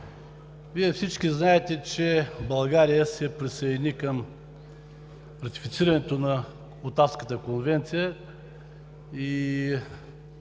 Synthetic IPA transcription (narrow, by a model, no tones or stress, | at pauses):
viɛfsit͡ʃkiznaɛt̪ɛt͡ʃɛbɐlˠɡaɾijəsɛpɾisɐd̪ʲnikəm | ɾɐt̪i̥fit̪siɾɐnɛt̪onɐ | ot̪afskət̪əkonvɛnt̪sijə | i